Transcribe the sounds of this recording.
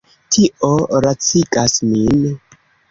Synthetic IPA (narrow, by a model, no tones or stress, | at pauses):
tʰiʔoɾat͡siɡasmin